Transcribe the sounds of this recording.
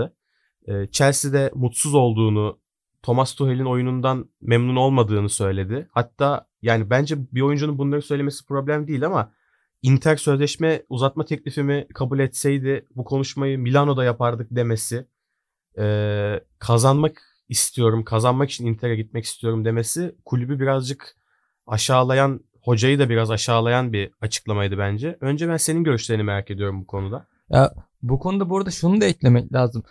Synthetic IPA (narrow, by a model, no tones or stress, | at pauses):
ɛːt͡ʃʰæɾsid̪ɛmut̪suzo̞lˠd̪uːnu | t̪ʰo̞mast̪ʰuɦelʲino̞junund̪anmɛmnuno̞lˠmad̪ɯːnɯsø̞jlʲe̞d̪ɪhat̪ʰːaː | jaːnibænd͡ʒɛbio̞jund͡ʒununbunlˠaɾɯnsø̞jlʲemesi̥pɾo̞blʲæmd̪iːilʲama | int̪ʰæɾsø̞zlʲɛʃmɛuzat̪̚mat̪ʰɛclʲifimikʰabulʲɛt̪sɛjd̪ɪbukʰo̞nuʃmajɯmilʲano̞d̪ajapaɾd̪ɯk̚d̪e̞mesɪ | ɛː | kʰazanmak | ist̪ʰijo̞ɾumkʰazanmakit͡ʃʰinint̪ʰeɾɛɟit̪mɛci̥st̪ʰijo̞ɾumd̪e̞me̞sɪkʰulʲybybiɾazd͡ʒɯk | aʃaːlˠajan | ho̞d͡ʒajɯd̪abiɾazaʃaːlˠajanbiat͡ʃʰɯ̥klˠamajd̪ɯbænd͡ʒɛø̞nd͡ʒɛbænse̞ninɟø̞ɾyʃlʲeɾinimeɾaːcʰe̞d̪ijo̞ɾumbukʰo̞nud̪a | ja̰ | bukʰo̞nud̪abuɾd̪aʃunud̪aɛclʲemɛclʲaːzɯm